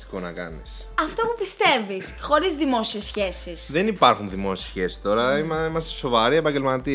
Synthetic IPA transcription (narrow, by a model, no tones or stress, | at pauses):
t̪i̥konɐ̰kɐ̰nisɐft̪opupist̪e̞visxo̞ɾizðimo̞siesːçe̞sisðenipɐɾxunðimo̞siesçe̞si̥st̪o̞ɾɐimɐimɐst̪e̥so̞vɐɾiepɐɟelmɐt̪i